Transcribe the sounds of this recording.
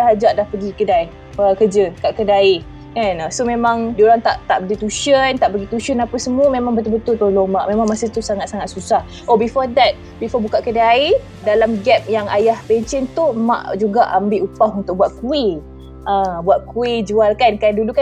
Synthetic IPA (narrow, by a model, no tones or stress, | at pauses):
aɦad͡ʒaʔdahpəɡikədai | əkəd͡ʒəkaʔkədai | kanasomemãŋdioɾaŋt̪aʔt̪aʔpəɡit̪uʃənt̪aʔpəɡit̪uʃənapəsəmuəmemãŋbət̪ʊlbət̪ʊlt̪oloŋmaʔmẽmãŋmasit̪usaŋat̪̚saŋat̪̚susah | ʔobifɔdɛt̪̚ | bifɔbukaʔkədai | dalamɡɛp̚jaŋa̰jahpɛɲt͡ʃənt̪uma̰ʔd͡ʒuɡaʔambɪʔupahunt̪ʊk̚buat̪̚kui | ʔabuat̪̚kuid͡ʒualkankanduluka